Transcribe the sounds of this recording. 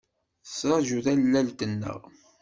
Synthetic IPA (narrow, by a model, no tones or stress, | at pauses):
θəsɾˤɑʒuðælːælt̪ənːə̰ʁ